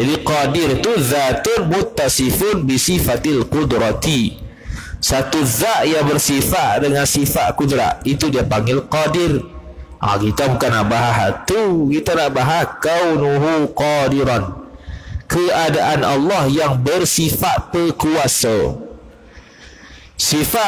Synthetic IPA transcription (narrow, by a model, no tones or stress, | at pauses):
d͡ʒadiqadɪrt̪uðat̪ʊnmʊt̪ːasifʊnbisifat̪alqud̪ɾat̪i | sat̪uðaʔjaŋbərsifaʔdəŋansifaʔ̪kud̪ɾa̰ʔit̪udiapaŋɡɪlqadɪr | ʔa̰kit̪abukanaʔbaɦaɦat̪ukit̪anaʔbaɦahkawnuɦuqɔdiɾan | kəadaʔanʔɑ̰lːɑhjaŋbərsifaʔ̪̚pəkuasa | sifa